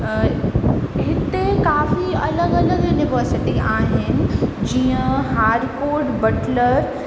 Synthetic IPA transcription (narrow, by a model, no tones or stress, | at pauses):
ɦɪt̪ːekaːfiɐləɡɐləɡjunɪʋəːɾsɪʈiaːɦɛ̃d͡ʒiɦãɦaːɾkoːɾʈbɐʈləɾ